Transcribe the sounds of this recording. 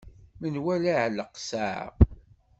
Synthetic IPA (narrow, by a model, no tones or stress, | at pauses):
mənwælaʕləqsaʕ̰